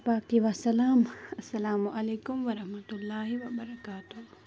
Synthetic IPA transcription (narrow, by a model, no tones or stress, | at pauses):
paːk̚t̪iʋasɐlaːmɐsːɐlaːmuʔɐleːkʊmʋɐɾɐhmɐt̪ʊlːaːɦiʋɐbɐɾɐkaːt̪ʊ